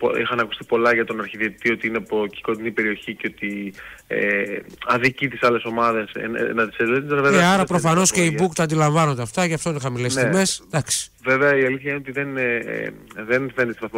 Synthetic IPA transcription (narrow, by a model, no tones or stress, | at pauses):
poḭxɐnɐkust̪i̥po̞lɐʝɐt̪o̞nɐɾçiðiet̪io̞t̪iinepoci̥ko̞t̪inipe̞ɾio̞çiceo̞t̪iḛɐðicit̪isɐle̞so̞mɐðe̞sḛnnɐt̪iseleut̪eveeɐɾɐpɾofɐno̞sceibukt̪ɐːnd̪ilɐɱvɐnond̪eɐft̪ɐʝeɐft̪oinexɐmilesime̞sd̪ɐksi̥veveɐiɐliθçɐineot̪iðen̰ | ðenfend̪ist̪ivɐθm